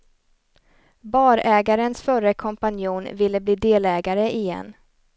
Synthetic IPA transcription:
bɑːɾɛːɡaɾənsfœɾəkʰɔmpanjuːnvɪlːəbliːd̪eːlɛːɡaɾəʔɪjɛ̰nː

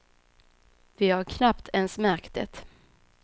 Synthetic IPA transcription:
vɪhaɾkʰnapt̪ʰɛnsmæɾkt̪ʰə̰t̪

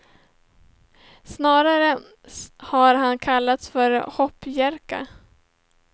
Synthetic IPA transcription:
snɑːɾaɾə | haɾɦankʰalːat̪sfœɾhɔpːjæɾka̰

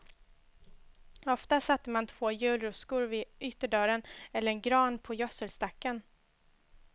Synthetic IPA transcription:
ɔft̪asat̪ːəmant̪ʰv̥oːjʉ̟ːlɾɵskʊɾvɪʔʏt̪ːəɖœɾənɛlːəɾɛnɡɾɑːnpʰɔjœsəlst̪akːən

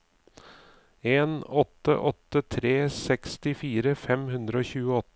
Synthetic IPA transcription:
eːnɔt̪ə̰ʔɔt̪ət̪ʰɾeːsɛkst̪ɪfiːɾəfɛmhʉnd̪ɾəoːçʉːəɔt̪

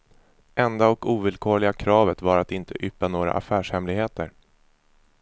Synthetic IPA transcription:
ʔɛnd̪aɔkuːvɪlkʰoːɭɪɡakʰɾɑːvət̪vaɾat̪ɪnt̪ʰəʔʏpːanoːɾa̰ʔa̰fæːʂhɛmlɪɡheːt̪əɾ

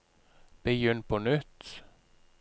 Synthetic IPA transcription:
b̥əjʏnpʰonʏt̪

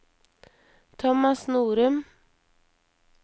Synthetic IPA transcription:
t̪ʰɔmɑsnuːɾʉm

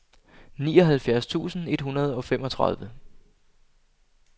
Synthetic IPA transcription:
niːɒ̽ɦælfjæɐ̰st͡sʰṵːsn̩e̝d̥hunɐð̞ˠɒ̽fem̰ɒ̽t͡sʰʁa̰ðˠʋə

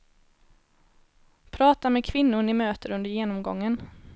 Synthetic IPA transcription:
pʰɾɑːt̪amɛkʰvɪnːʊɳɪmøːt̪əɾɵnd̪əɾjeːnɔmɡɔ̰ŋːən

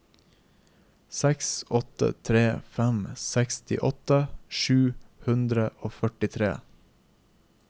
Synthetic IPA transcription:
sɛksɔt̪ə̰t̪ʰɾeːfɛmsɛkst̪ɪ̰ʔɔt̪əʃʉːhʉnd̪ɾəʔoːfœʈɪt̪ʰɾḛː

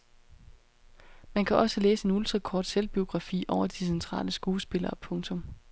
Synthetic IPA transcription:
mænkʰæʔɒ̽səlḛːsəe̝nuld̥ʁɑ̈kʰɒ̰ːd̥selb̥io̝ɡ̥ʁɑ̈fḭːʔɒʊɐd̥isent͡sʰʁɑ̰̈ːləsɡ̥uːsb̥e̝lɐːpʰɔ̽ŋt͡sʰɔ̽m

